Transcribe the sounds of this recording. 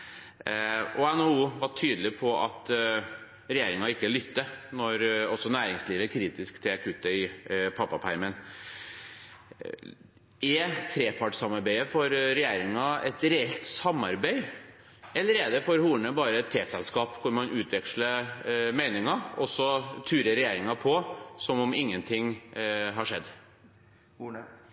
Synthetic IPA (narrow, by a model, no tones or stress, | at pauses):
ʔɔɛnɔuːʋɑʈʰyːd̪əlɪpʰɔʔɑ̰t̪ | ɾɛjeːɾɪŋɑɪkːəlʏt̪ːənɔɾɔsːɔnæːɾɪŋsliːʋəkʰɾiːt̪ɪskt̪ʰɪlɑkʰʉːt̪ːəɪpʰɑpːɑpʰæɪɾmən | ɛt̪ʰɾeːpʰɑʈsɑmɑɾbæɪəfɔɾɾɛjeːɾɪŋɑɛ̰t̪ɾɛɛlt̪sɑmːɑɾbæɪ | ɛlːəɾɛːd̪ɛfɔɾhuːɳəbɑːɾəɛt̪ʰːeːsɛlskɑːpkʰʊɾmɑnʔʉːt̪ʰʋɛkʂləmæɪnɪŋɑɔsːɔt̪ʰʉːɾəɾɛjeːɾɪŋɑpʰɔsɔmɔmɪŋːənt̪ʰɪŋɦɑʂɛd̪ː